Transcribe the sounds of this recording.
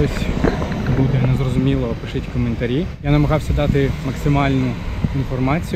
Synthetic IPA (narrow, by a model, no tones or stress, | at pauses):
ɔsʲ | bud̪ɛnɛzrɔzʊmʲilˠɔpɪʃɪtʲkɔment̪ɐɾʲijanɐmɐɣɑwsʲɐd̪ɑt̪ɪmɐksɪmɑlʲnʊinfɔrmɑt͡sʲij